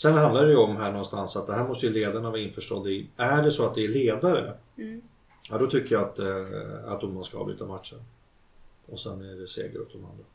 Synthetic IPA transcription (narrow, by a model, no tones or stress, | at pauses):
sɛnhand̪aɖɛjəɔmɦæːɳɔnst̪ansat̪̚d̪ɛɦæːɾmɔst̪əjɵleːd̪aɾəɳavɑːɪnfœʂʈɔ̰d̪ːɪʔæɖɛsɔat̪̚d̪ɛæɭeːd̪aɾə̰ | jad̪ɔt̪ʰʏkːəjaat̪ | a̰t̪̚d̪ɔmmanskaɑ̰ːbʏ̰ːt̪ːamat̪ʂən | ɔsɛ̰nːæɖɛsḛːɡəɾɵ̰t̪ːɔma̰nd̪ɾa